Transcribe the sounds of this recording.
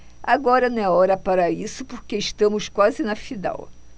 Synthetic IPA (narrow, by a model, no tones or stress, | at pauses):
aɡɔɾɐnɐ̃w̃ɛɔɾɐpaɾɐisʊpoɾkeiʃt̪ɐ̃mʊskwazɪnɐfid̪a̰w